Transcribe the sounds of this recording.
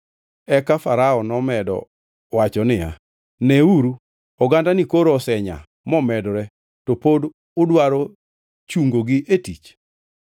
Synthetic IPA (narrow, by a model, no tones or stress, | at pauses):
ɛkafaɾaɔnɔmɛdɔ̰ | wat͡ʃɔnɪja̰ | nɛuɾu | ɔɡandanikoɾɔsɛɲa̰ | mɔmɛdɾɛ | topod | ʊdwaɾo | t͡ʃuŋɡoɡɪʔetit͡ʃ